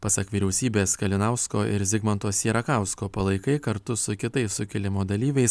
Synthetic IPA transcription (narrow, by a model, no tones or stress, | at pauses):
pɐsɐkʋʲiːɾʲɛʊsʲiːbʲeːskɐlʲɪnɑʊskoːʔɪ̰ɾzʲɪɡmɐnt̪oːsjiɛɾɐkɑˑʊskoːpɐlˠɐɪkɐɪkɐɾt̪ʊsʊkʲɪt̪ɐɪsʊkʲɪlʲɪmoːd̪ɐlʲiːʋʲɛɪs